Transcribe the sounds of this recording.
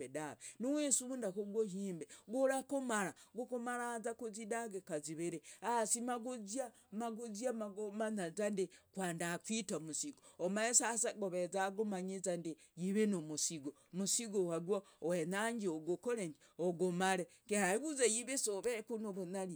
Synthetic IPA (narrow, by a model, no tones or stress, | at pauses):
edaβenuwesundakoɡwoɦiːmbeɡoɾakomaɾaɡokomaɾazakuzidaɡekaziβeɾeasimaɡuzia | maɡuziamaɡomanazandekwaːndakwitamusiɡoomaesasaɡoβezaɡomaɲizandi | jiβenomusiɡo | musiɡohaɡwo | wenaɲd͡ʒioɡokoɾeɲd͡ʒ | oɡomaɾe | kehaiβuzajiβesoβekunoβunali